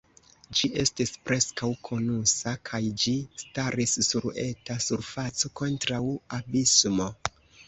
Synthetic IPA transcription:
d͡ʒiʔe̞stispɾe̞skawkʰo̞nusakʰajd͡ʒistaɾisːuɾe̞̰tasuɾfat͡so̞ko̞ntɾawabismo̞

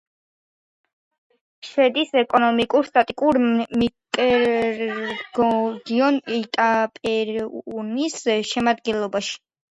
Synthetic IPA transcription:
ʃɛd̪isɛkʼɔnɔmikʼuɾst̪ʼat̪ʼikʼuɾmikʼ | ɡɔd̪iɔnit̪ʼapʼɛɾnisʃɛmad̪ɡɛnlˠɔbaʃi̥

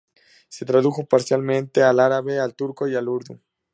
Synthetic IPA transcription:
se̞t̪ɾaðuxo̞paɾsjalmẽnt̪e̞alaɾaβealt̪uɾko̞ialuɾðu

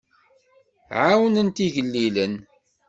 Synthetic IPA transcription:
ʕawənənt̪iʝəlːilən

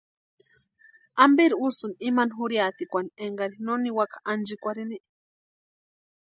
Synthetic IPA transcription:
ambiɾiusɨnimanɦuɾjat̪ikʷanieŋɡaɾinoniwakḁand͡ʒikʷaɾiniʔ

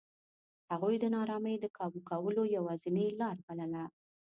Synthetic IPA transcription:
haɣujd̪ənɑɾɑməjd̪əkʰɑbukawəlojawɑzɪnəjlɑɾbaləla

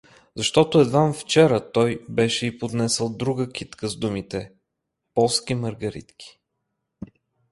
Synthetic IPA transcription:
zɐʃt̪ɔt̪ʊɛd̪vanft͡ʃɛɾət̪ɔjbɛʃɛipod̪nɛsəlˠd̪ɾuɡəkʰʲit̪kəzd̪umit̪ɛ | pɔlˠskiməɾɡɐɾḭt̪kʰi̥

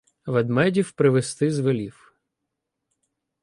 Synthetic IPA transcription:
ʋɛd̪mɛdʲiwpɾɪʋest̪ɪzʋelʲiw

